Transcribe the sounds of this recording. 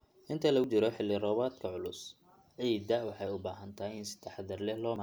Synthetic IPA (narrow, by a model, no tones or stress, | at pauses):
ʔɪnt̪ʰɐlɐɣʊt͡ʃɪɾɔħɪlːɪrɔːβaːd̪kʰɐʕʊlʊs | ʕiːd̪ɐwɑħɑjʊbaːɦɐnt̪ʰaːɪnsɪ̥t̪ʰːɛħðɐrlɛhlɔːma